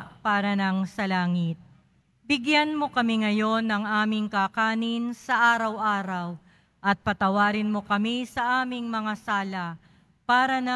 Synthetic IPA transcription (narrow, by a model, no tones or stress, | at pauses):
paːɾɐnɐŋsɐlaːŋɪt̪̚ | bɪɡjanmo̞kɐmɪŋɐjo̞nːɐŋʔaːmɪŋkakaːnɪnsɐʔaːɾɐwʔaːɾɐw | ʔɐt̪̚pɐt̪ɐwaːɾɪnmo̞kɐmisɐʔaːmɪŋmɐŋasaːlɐ | paːɾɐnɐ